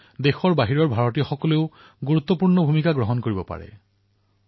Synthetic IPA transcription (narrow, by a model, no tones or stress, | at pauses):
dexɔɹbaɦiɹɔɹbʱaɹɔtijɔxɔkɔleʊ | ɡuɹut̪ːɔpuɹnɔbʱumikaɡɹɔɦɔnkoɹibɔpa̰ɹɛ̰